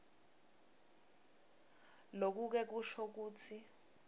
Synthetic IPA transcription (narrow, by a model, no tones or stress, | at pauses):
lok̬uk̬ɛk̬uʃɔk̬uːt͡sʰi